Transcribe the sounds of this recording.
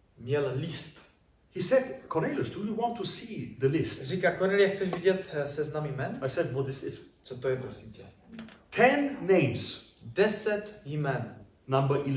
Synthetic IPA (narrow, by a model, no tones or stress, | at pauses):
mjɛllist̪ | hisɛd̚kʰɔneləsdujuwɔ̃ntʰːusiðəlɪstrikakonɛljɛxt͡sɛʃviɟɛt̪sɛznamimɛnaɪsɛdwɔt̚ðɪsɪz̥t͡sɔt̪ojɛt̪ɾosicʲɛtʰɛ̃nːẽɪ̃mz̥dɛsɛt̪jimɛn | nãmbəʔi